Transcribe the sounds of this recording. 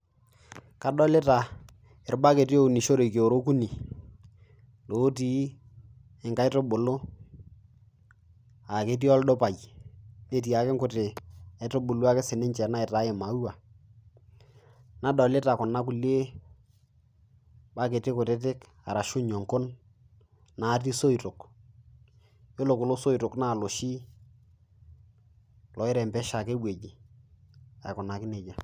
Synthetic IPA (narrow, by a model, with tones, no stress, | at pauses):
ka˨˦ɗɔ˦lɪ˦ta˨ | ɪ˨ɾba˦ke˨ti˦o˦u˨ni˨ʃo˦ɾe˨ke˨o˨ɾo˦ku˦ni˨ | lo˨˦ti˦ | ɪ˨ŋka˦ɪ˦to˦bʊ˨lʊ˦ | a˨ke˦t̬i˦ɔ˦ldo˦pa˨j | e˦t̬i˨a˨kɪ˦ŋkʊ˦tɪ˨a˨ɪ˨˦to˦bʊ˨lu˦a˦kɪ˦sɪ˨nɪ˦ɲt͡ʃɛ˨na˦ɪ˨ta˦jɪ˨ma˨˦u˦wa˨ | na˦dɔ˨le˦ta˨kʊ˨na˦k̬u˨le˦ | ba˦ke˨tɪ˦kʊ˨te˦t̬ɪ˦k | a̰˨ɾa˨ʃʊ˦ɲɔ˨ŋkʊ˦n | na˨˦t̬i˦so˦i˨tʊ˨k | jo˦lo˨kʊ˨lo˦so˦i˨tʊ˨kna˦˨lo˨ʃi˦ | lɔ˨ɪ˦ɾɛ˨mbɛ˦ʃa˨ke˦bwe˨d͡ʒi˨ | a̰˨kʊ˨na˨kɪ˦ne˨d͡ʒa˨